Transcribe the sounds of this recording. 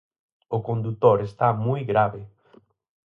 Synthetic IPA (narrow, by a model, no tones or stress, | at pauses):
ʊkõnd̪ut̪oɾest̪amujɡɾaβe